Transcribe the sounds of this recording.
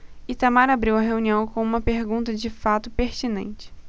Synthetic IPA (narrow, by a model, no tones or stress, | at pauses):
ɪt̪amaɾabɾiwɐɦeũniɐ̃w̃kõw̃ũmɐpeɾɡũnt̪ɐd͡ʒɪfat̪ʊpeɾt͡ʃinḛ̃nt͡ʃɪ̥